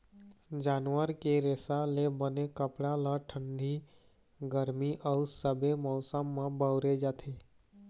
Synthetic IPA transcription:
d͡ʒaːnʋəɾkeɾesalebənekəpɽalaʈʰə̃ɳɖʱi | ɡəɾmiʔəusəbemɔːsəmːãbəwɾed͡ʒat̪ʰe

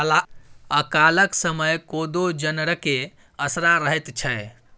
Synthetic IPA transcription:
laəkaləksəməjkod̪od͡ʒənəɽəke | əsɾaɾəɦɛt̪t͡ʃʰɛ

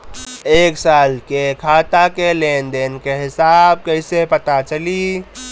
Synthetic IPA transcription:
eːksaːlkekʰaːt̪akeleːnd̪enkeɦɪsaːb̚kəisepɐt̪at͡ʃəli

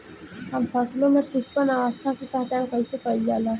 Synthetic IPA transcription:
ɦɐmfʰaːslõmẽpʊʃpənaʋəst̪ʰakit̪ɛɦt͡ʃaːnkɐĩsekɐid͡ʒaːlaː

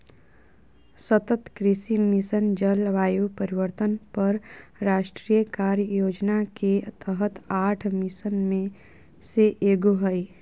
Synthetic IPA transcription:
sət̪ət̪kɾɪsimɪsənd͡ʒəlʋaːjupəɾɪʋəɾt̪ənpəɾɾaːʃʈɾijəkaːɾjoːd͡ʒnaket̪ʰəɦət̪aːʈʰmɪsənmẽ | seʔeːɡoɦəi

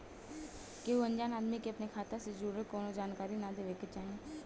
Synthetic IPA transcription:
keuɐ̃ɲd͡ʒaːnaːd̪mikeɐpnekʰaːt̪ased͡ʒuːɾəkoːnod͡ʒaːnkaːɾinad̪eʋeket͡ʃaːɦẽː

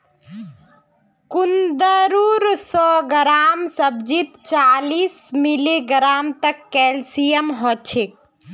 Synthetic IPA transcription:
kund̪əɾuɾsɔɡəɾaːmsəbd͡ʒit̪t͡ʃalismiliɡɾaːmt̪əkːɛlsijəmɦɔt͡ʃʰek̚

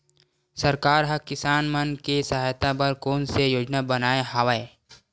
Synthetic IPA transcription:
sɐɾkaːɾɦɐ̃kɪsaːnmənkesɐɦaːjt̪ʰapɐɾkoːnsejoːd͡ʒnabɐnaːeɦaʋae

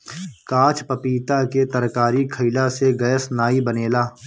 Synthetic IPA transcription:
kaːt͡ʃʰpəpiːt̪aket̪əɾkaːɾikʰəɪlaseɡəjəsnaːibəneːlaː

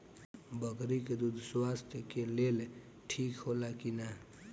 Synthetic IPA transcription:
bəɡɾiked̪ud̪ʱswast̪ʰjəkelel | ʈʰikɦolakina

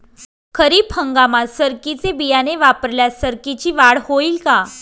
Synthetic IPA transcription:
kʰəɾiːpʰhəŋɡamasəɾkit͡sebijaneʋapəɾljasəɾkit͡ɕiːʋaɽhoilka

